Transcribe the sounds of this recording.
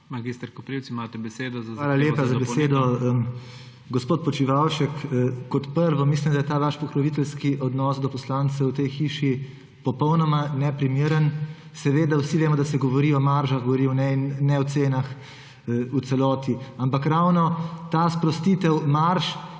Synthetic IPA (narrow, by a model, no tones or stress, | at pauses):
mɐɡist̪əɾkopɾiwt̪siimat̪ɛbɛseːd̪ɔzaaːlaleːpazzabɛeːd̪ɔ | ɡɔspoːt̪̚pɔt͡ʃiʋawʃɛkːɔt̪pəɾʋɔmislimd̪ajɛt̪aːʋaʃpɔkɾɔʋit̪ɛlskiʔɔd̪nɔːsd̪ɔpɔslaːnt̪sɛwt̪ejxiːʃi | pɔpɔwnɔmanɛpɾimiɾən | sɛʋeːd̪awsiʋeːmɔd̪asɛɡɔʋɔɾiɔmaɾʒaxɡoʋɔɾiɔnɛinːɛwt̪seːnax | ut̪sɛlɔːt̪iampakɾawnɔt̪aːspɾɔst̪iːt̪ɛwmaɾʃ